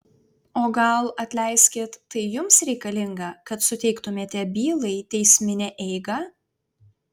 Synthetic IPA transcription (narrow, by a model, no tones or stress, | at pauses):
oːɡɐlˠɐt̪ʲlʲɛɪsʲkʲeːt̪ːɐɪjʊmsɾʲɛɪkɐlʲɪŋɡɑkɐt̪sʊt̪ʲɛɪkt̪ʊmʲeːt̪ʲɛbʲiːlˠɐɪt̪ʲɛɪsʲmʲɪnʲɛʔɛɪɡɐ